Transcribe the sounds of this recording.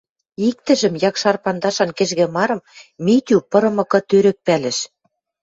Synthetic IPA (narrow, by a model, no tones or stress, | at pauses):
ik̚t̪ɘ̆ʒɘ̆mjɑkʃɑrpɑnd̪ɑʃɑnkĕʒɣĕmɑɾɤ̆mmit̪ʲupɤ̆ɾɤ̆mɤ̆kɤ̆t̪øɾɘ̆k̚pælɘ̆ʃ